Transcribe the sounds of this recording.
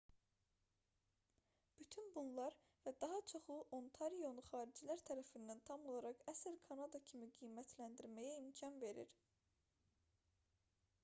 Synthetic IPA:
b̥yt̪ʰynbunlˠɑɾ | væd̪ɑɦɑt͡ʃʰoχuʔo̞nt̪ʰɑɾijo̞nuχɑːɾid͡ʒilæɾt̪ʰæɾæfind̪ænt̪ʰɑmo̞lˠɑɾɑʁæsilkʰɑnɑd̪ɑcʰimiɡijmæt̪ʰlænd̪iɾmæjæimcʰɑnve̞ɾḭɾ

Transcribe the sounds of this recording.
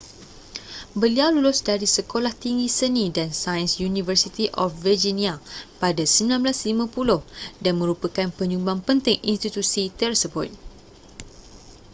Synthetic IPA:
bəliawlulʊsdaɾisəkolaht̪iŋɡisənidansajə̃nsjunĩvərsit̪iʔɔfvəd͡ʒiniapadasəmbilãnblaslimãpulʊhdanmə̃ɾupəkanpəɲũmbaŋpənt̪ɪŋḭnst̪it̪usit̪ɛrsəbɔt̪̚

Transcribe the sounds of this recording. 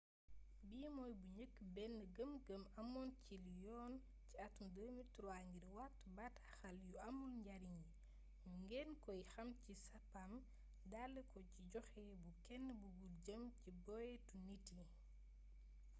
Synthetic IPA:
biːmɔːjbuɲəkːbɛnːəɡəmɡəmɐmɔnciljɔːn | ciɐtːumdəːmituɾwaɲɡiɾwatbatɐxɐljuɐmulɲɟɐɾiɲi | juŋɡɛnkɔjxɐmcisɐpːam | dalːəkɔciɟɔxɛbukɛnːəbuɡulɟəmcibɔjɛtunitːi

